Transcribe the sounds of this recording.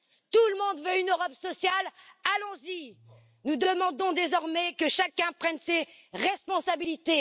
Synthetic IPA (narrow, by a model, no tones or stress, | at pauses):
t̪ulmɔ̃d̪vøynøʁɔpsɔsjalalɔ̃zi | nud̪əmɑ̃d̪ɔ̃d̪ezɔʁmɛkəʃakʲɛ̃pχɛnseʁɛspɔ̃sabilit̪e